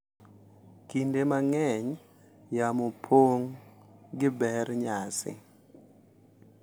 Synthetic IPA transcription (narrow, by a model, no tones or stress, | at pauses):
kindemaŋɛɲ | jamɔpʰoŋɡɪbɛrɲasɪ̰